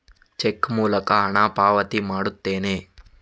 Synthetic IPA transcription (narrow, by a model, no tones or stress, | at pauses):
t͡ʃekːmuːlɐkɐɐɳaːpaːʋɐt̪imaːɽut̪ːeːneː